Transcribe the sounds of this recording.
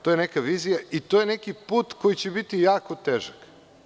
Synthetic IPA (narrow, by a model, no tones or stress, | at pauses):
t̪o̞jenekaʋizijait̪ojenekipuːt̪ko̞jit͡ɕebit̪ijaːko̞t̪eʒak